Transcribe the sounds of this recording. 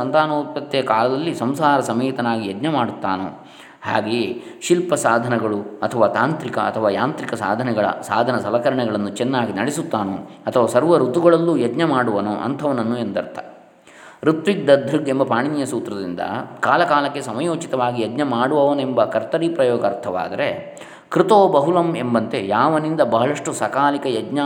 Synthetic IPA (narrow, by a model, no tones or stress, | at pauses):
ɐnt̪aːnoːt̪ːɐt̪ːɛjɐkaːlɐd̪ɐlːisɐmsaːɾɐsɐmeːt̪ɐnaːɡijɐd̪nɐmaːɽut̪ːaːnṵ | ha̰ːɡeːʃilpɐsaːd̪ʱɐnɛɡɐɭuɐt̪ʰɐʋaːt̪aːnt̪ɾikɐ̰ɐ̰t̪ʰɐʋaːjaːnt̪ɾikɐsa̰ːd̪ʱɐnɛɡɐɭɐ̰saːd̪ʱɐnɐsɐlɐkɐɾɐɳɛɡɐɭɐnːut͡ʃɛnːaːɡinɐɽesut̪ːaːnoɐt̪ʰɐʋaːsɐɾʋɐɾut̪ːuɡɐɭɐlːujɐd̪nɐmaːɽuʋɐno̰ʔɐ̰nt̪ʰɐʋɐnɐnːuend̪ɐ̰ɾt̪a̰ | ɾut̪ʋik̚d̪ɐd̪ʱɾuɡembɐpaːɳinjɐsuːt̪ɾɐd̪ind̪ɐ̰kaːlɐkaːlɐkːe̞sɐmɐjoːt͡ʃit̪ɐʋaːɡijɐd̪nɐmaːɽuʋɐʋɐnembɐkɐɾt̪ɐɾipɾɐjɔːɡɐɾt̪ʰɐʋa̰ːd̪ɐɾe | kɾɪt̪oːbɐɦulɐmembɐnt̪e̞jaːʋɐnind̪ɐbɐɦɐɭɐʂʈusɐkaːlikɐjɐd̪nɐ